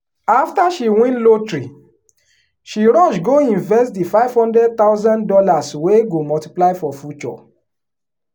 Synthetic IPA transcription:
aftaʃiwĩnlotɹi | ʃiɾɔ̃ʃɡoĩnvɛstdifaɪv̥hɔ̃ndɹɛd̚t̪aʊzãndɔlasweɡomɔlti̥plaɪfɔfjut͡ʃɔ̰

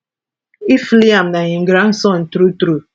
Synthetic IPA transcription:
ifliamnajĩŋ̩ɡɾansɔ̃ntɾutɾu

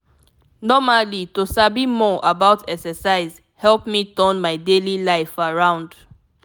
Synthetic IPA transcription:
nɔmalitosabimɔʔabaʊtʰɛksɛsaɪz | hɛlpmitɜnmaɪdelilaɪfaɹãʊ̃nd

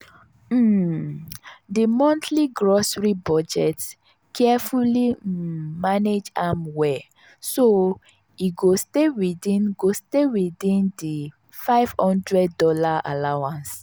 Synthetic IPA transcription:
mm̩ | dimɔ̃ntʰliɡɹɔsɹibɔd͡ʒɛt | kʰɛfulimaned͡ʒãmwɛ | so | iɡostewidĩnɡostewidĩndi | faɪv̥hɔ̃ndɹɛdːɔlaa̰lawãns

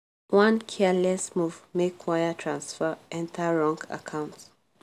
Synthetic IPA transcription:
wãnkʰɛlɛsmuvmekʰwajətʰɹãnsfəʔɛ̃ntʰəɹɔ̃ŋɡa̰kʰãʊ̃nts

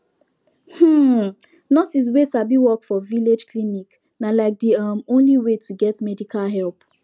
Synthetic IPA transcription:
hm̩ | nɔsis̬wesabiwɔkfɔviled͡ʒklinik | nalaɪk̚diʌmõnliwetʰuɡɛtmɛdikʰalɦɛlp

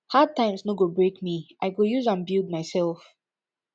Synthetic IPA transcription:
had̚tãɪ̃msnoɡobɹekmiʔaɪɡojuzãnbild̚maɪsɛlˠf

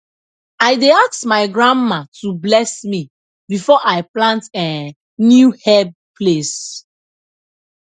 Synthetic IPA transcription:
ajdeaksmaɪɡɹãmːatublɛsmi | bifɔʔaɪplãntɛ | njuhɛb̚ | pʰles

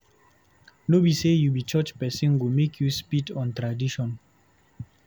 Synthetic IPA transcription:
nobisejubit͡ʃət͡ʃpɛsĩnɡumekʰjuspidɔ̃ntɹadiʃɔ̃n

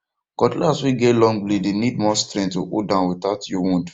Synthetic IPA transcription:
ɡ̥ɔdlaswik̚ɡelɔ̃ŋɡblidenid̚mɔstɾɛ̃nttuʔodãʊ̃nwitaʊtjuwũnd

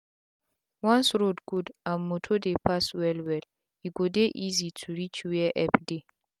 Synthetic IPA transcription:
wɔ̃nsɹodɡudãnmotʰodepʰaswɛlwɛl | iɡodeʔizitʰuɹit͡ʃwɛʔɛpde

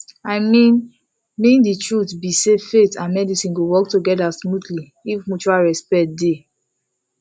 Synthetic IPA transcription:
aɪmĩn | mĩnditʰɹutbisefetãnmɛdisĩnɡowɔktuɡɛdasmutli | ifmut͡ʃualɹɛspɛt̚de

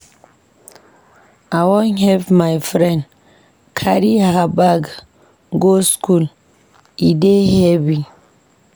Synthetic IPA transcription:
awɔ̃nɦɛvmajfɹɛ̃n | kʰaɾihabaɡ | ɡoskʰul | idehɛvi

